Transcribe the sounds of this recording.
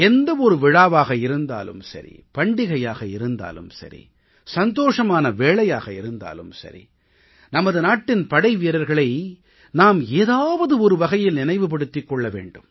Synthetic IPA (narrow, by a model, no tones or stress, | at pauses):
ɛnd̪ɐɔɾɯʋɪɻaːʋaːɣɐɪɾɯnd̪a̰ːlɯ̰msɐ̰ɾḭpɐɳɖɪɣɐjaːɣɐɪɾɯnd̪a̰ːlɯ̰msɐ̰ɾḭ | sɐnd̪oːʂɐmaːnɐʋeːɭɐjaːɣɐɪɾɯnd̪a̰ːlɯmsɐ̰ɾḭ | nɐmɐðɯnaːʈːɪnpɐɽɐɪʋiːɾɐɾɣɐɭɐɪ | naːmeːðaːʋɐðɯɔɾɯʋɐɣɐjɪlnɪnɐɪʋɯp̬ɐɽɯt̪ːɪkːɔɭːɐʋḛːɳɖɯm